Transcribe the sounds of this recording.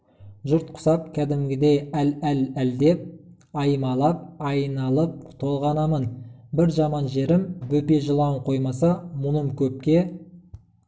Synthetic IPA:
ʒʊɾt̪̚qʰʊ̥sɑp̚kʲʰæd̪ɪmɡʲɪd̪e̞jælælæld̪e̞p̚ | ɑjmɑlˠɑp̚ɑjnɑlˠəp̚t̪ʰo̞lˠʁɑnɑmənbɪɾʒɑmɑnʒe̞ɾɪmbɵpe̞ʒəlˠɑwəɴqʰo̞jmɑsɑmʊnəmkʲʰɵp̚kʲe̞

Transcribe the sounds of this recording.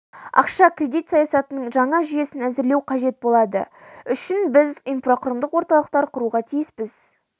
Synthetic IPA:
ɑ̰qʃɑkrʲe̞d̪it̪sɑjɑsɑt̪ənəɴʒɑɴɑʒʏje̞sɪnæzɪɾle̞wqʰɑʒe̞t̪̚bo̞lˠɑd̪ə̰ | ʏʃɪnbɪzijnfroqʰɾəmd̪əqwo̞ɾt̪ɑlˠəq̚t̪ɑɾqʰʊɾuʁɑt̪ʰijɪsbɪz̥

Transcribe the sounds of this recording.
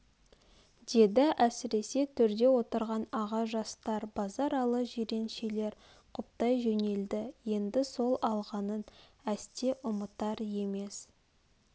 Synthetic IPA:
d̪̥e̞d̪ɪʔæsɪɾe̞se̞t̪ʰʏɾd̪e̞wo̞t̪əɾʁɑnɑʁɑʒɑst̪ɑɾbɑzɑɾɑlˠəʒeɾe̞nʃe̞le̞ɾ | qʰʊp̚t̪ɑjʒene̞ld̪ɪje̞nd̪ɪso̞lˠɑlˠʁɑnənæst̪e̞ʔʊmət̪ɑɾje̞me̞s

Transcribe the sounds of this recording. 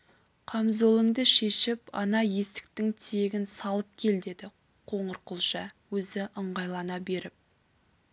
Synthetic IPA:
qʰɑmzolˠəŋd̪əʃe̞ʃɪpɑ̰nɑje̞st̪ɪ̥k̚t̪ɪŋt̪ʰe̞ɡʲɪnsɑlˠəp̚kʲʰe̞ld̪e̞d̪ɪ | qʰo̞ɴəɾqəlˠʒɑwɵzɪʔəɴʁɑjlˠɑnɑbe̞ɾɪp̚

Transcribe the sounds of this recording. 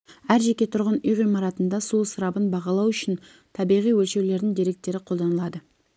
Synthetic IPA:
æɾʒe̞kʲe̞t̪ʰʊɾʁənʏjʁijmɑɾɑt̪ənd̪ɑsuəsəɾɑbənbɑʁɑlˠɑwʏʃɪn | t̪ʰɑbijʁijwɵlʃe̞wle̞ɾd̪ɪŋd̪eɾe̞k̚t̪ːe̞ɾɪqʰolˠd̪ɑnəlˠɑd̪ə

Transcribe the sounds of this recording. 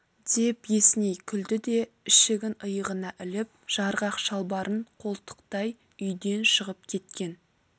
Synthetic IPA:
d̪̥e̞pje̞snejkʲʰʏld̪ɪd̪e̞ | ɪʃɪɡʲɪnəjəʁənɑʔɪlɪp̚ʒ̥ɑɾʁɑqʃɑlˠbɑɾʔəɴqʰo̞lˠt̪ə̥qt̪ɑj | ʏjd̪e̞nʃəʁəp̚kʲʰe̞t̪̚kʲe̞n

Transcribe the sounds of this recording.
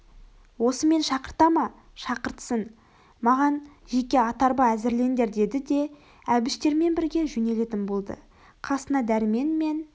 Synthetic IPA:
wo̞səme̞nʃɑqəɾt̪ɑmɑ | ʃɑqəɾt̪ə̥sən | mɑʁɑnʒe̞kʲe̞ɑt̪ɑɾbɑæzɪɾle̞nd̪e̞ɾd̪e̞d̪ɪd̪e̞ | æbɪʃt̪e̞ɾme̞nbɪɾɡʲe̞ʒʏne̞le̞t̪ɪnbo̞lˠd̪ə̰ | qʰɑsənɑd̪æɾɪme̞nme̞n

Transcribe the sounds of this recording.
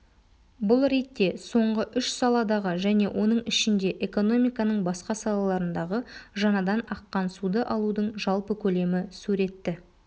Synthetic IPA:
bʊlˠɾejt̪ːe̞so̞ɴʁəʔʏʃsɑlˠɑd̪ɑʁəʒæne̞̰wʔo̞nəɴɪʃɪnd̪e̞ʔe̞ko̞no̞mijkɑnəɴbɑsqɑsɑlˠɑlˠɑɾənd̪ɑʁəʒɑnɑd̪ɑnɑqːɑnsud̪əʔɑlˠud̪əɴʒɑlˠpəkʲʰɵle̞mɪsuɾe̞t̪ːɪ

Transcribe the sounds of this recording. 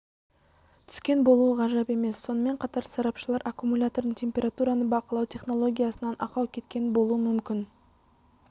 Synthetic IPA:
t̪ʰʏ̥skʲe̞nbo̞lˠuəʁɑʒɑpe̞me̞sːo̞nəme̞ɴqʰɑt̪ɑɾsɑɾɑpʃəlˠɑɾʔakumulʲat̪o̞ɾd̪əɴt̪ʲʰe̞mʲpʲeɾat̪uɾɑnəbɑqəlˠɑwt̪ʲʰe̞χno̞lˠo̞ɡʲijasənɑnʔɑqɑwkʲʰe̞t̪kʲe̞nɪbo̞lˠuəmʏmkʲɪn

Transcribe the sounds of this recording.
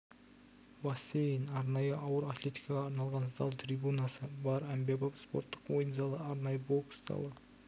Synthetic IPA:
vɑsejənɑɾnɑjəʔɑwəɾat̪lʲe̞t̪ʲi̥jkɑʁɑɑɾnɑlˠʁɑnzd̪ɑ̰lˠt̪ʰribunɑsəbɑɾæmbebopspo̞̰ɾt̪ːə̥qwojənzɑlˠəɑɾnɑjəboksd̪ɑ̰lˠə

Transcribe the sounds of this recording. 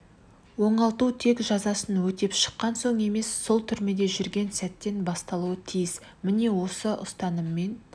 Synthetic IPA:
wo̞ɴɑlˠt̪ut̪ʰe̞kʒɑzɑsənwɵt̪e̞pʃə̥qːɑnso̞ɴe̞me̞sːo̞lˠt̪ʰʏɾme̞d̪e̞ʒʏɾɡʲe̞nsæt̪ːe̞nbɑst̪ɑlˠuwət̪ʰijɪs | mɪne̞wo̞səʔʊ̰st̪ɑnəmːe̞n

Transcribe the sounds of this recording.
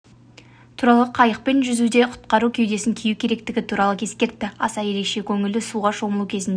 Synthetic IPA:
t̪ʰuɾɑlˠəqʰɑjəq̚pe̞nʒʏzud̪e̞qʰʊ̥t̪qɑɾukʲʰewd̪e̞sɪŋkʲʰijukʲʰe̞ɾe̞k̚t̪ɪɡʲɪt̪ʰuɾɑlˠəkʲʰe̞skʲe̞ɾt̪ːɪɑsɑje̞ɾe̞kʃe̞kʲʰɵŋɪld̪ɪsuʁɑʃo̞məlˠukʲʰe̞zɪnd̪e

